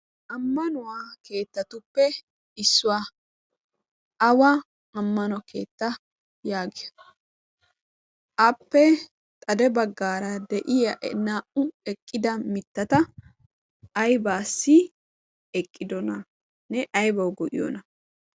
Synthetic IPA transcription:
ʔɐmːɐnʊwake̞ːt̪ːɐt̪ʊpːɛ | ɪsːʊwa | ɐwa | ɐmːɐnɔkeːt̪ːɐ | jaːɡɪɐ | ʔɐpːɛ | t̪ʼɐd̪ɛbɐɡːaːɾɐd̪ɛʔɪjɐʔnaːʔʊɛkʼːɪd̪ɐmɪt̪ːɐt̪ɐ | ɐjbaːsːɪ | ɛkʼːɪd̪ɔnɐ | nɛʔɐjbɐwɡɔʔɪ̰jɔ̰nɐ

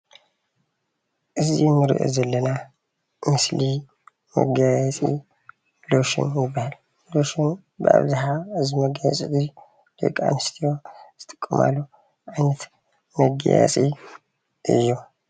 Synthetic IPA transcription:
ʔɨzimːɨɾɨ̰ʔɨ̰zɐlːəna | mɨsli | mə̰ɡajat͡sʼḭ | loʃɨ̰njɪbːahal | loʃun | bəʔa̰βzaɦaɨziməɡajasʼid̪i | lo̰kʼa̰nɨst̪ʰijoz̥ɨt̪ʼɨkʼːɨma̰lːu | ʔajnət̪ | məɡa̰ja̰sʼi | ʔɨ̰jːo

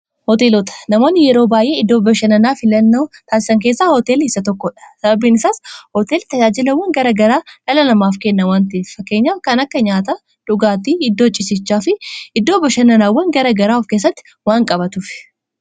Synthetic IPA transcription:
hɔt̪e̞ːlot̪ɐ̥nɐmo̞ːnːɪjɛɾoːbaːjʔe̞ːɪd̪ːoːbɐʃɐnɐnaːfɪlɐnːoːt̪aːsɪ̥sɐŋk̬eːsːaːhɔt̪e̞ːlːsɐt̪ɔkːɔᶑɐ̥sɐbɐbiːnɪsaːshot̪eːlt̪ɐd͡ʒaːd͡ʒɪlɐwːɐŋɡɐɾɐɡɐɾaːᶑɐlɐlɐmaːfkenːɐwaːnt̪ɐefɐkːe̞ːɲːaːfkɐnɐkːɐɲaːt̪ɐ | ᶑʊɡaːt̪iːɪd̪ːo̞ːt͡ʃʼɪsɪt͡ʃːaːfɪʔɪd̪ːoːbɐʃɐnːɐnaːwːɐŋɡɐɾɐɡɐɾaːfke̞ːs̬ːɐt̪ːɪ̥ | waːŋkʼɐbɐt̪uːfɪ̥

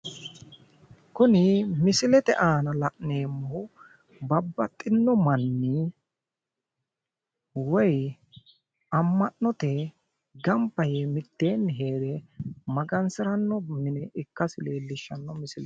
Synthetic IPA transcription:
kʊnɪmɪsɪlɛt̪ɛ̰ʔaːnɐlɐʔneːmːɔʊ | bɐbːɐt̪ʼːɪnːɔmɐnːi | wɔj | ɐmːɐʔːɔt̪ɛ | ɡɐmpːɐjemɪt̪ːe̞ːnːɦeːd̪ɛmɐɡɐnsɪɾɐnːɔmɪnɛʔɪkːɐsɪle̞ːlːɪʃːɐnːɔmɪsɪlɛ

